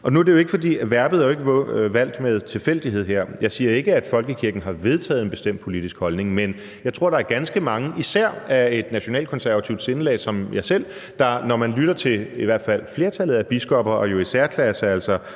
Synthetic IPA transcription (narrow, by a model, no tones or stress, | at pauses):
ɒ̽nuæɐɾ̥ejo̝e̝ɡ̥ə̥fɒ̽dḭːʋæɐb̥ð̩ˠæjoe̝ɡəʋæl̰d̥með̞ˠt͡sʰe̝lfel̰d̥iɦe̝ð̞̰ˠɦeɐ̰jɑ̈ɪsiːɐe̝ɡ̥əæd̥fɒ̽lɡ̥əkʰiɐɡ̥n̩ɦɑ̈ʋe̝ð̞ˠt͡sʰɛ̰ːð̩ˠenb̥e̝sd̥em̰d̥̚pʰo̝lid̥isɡ̥hɒ̽lne̝ŋmen | jɑ̈ɪt͡sʰʁo̝ɐ̰dɑ̈æɐɡ̥ænsɡ̥əmɑ̈ŋəʔisæɐ̰æe̝d̥næɕo̝nɛ̰ːld̥̚kʰɒ̽nsæɐʋæt͡sʰiʊd̥se̝nlɛ̰ːsɒ̽mjɑ̈ɪsel̰ | d̥ɑ̈nɒmænlyɾ̥ɐt͡sʰe̝iʋæɐ̰d̥fæl̰fle̝ːɐt͡sʰælð̞̩ˠæb̥isɡ̥ɒb̥ɐʔɒ̽jo̝isæɐ̰kʰlæɐsælsɐ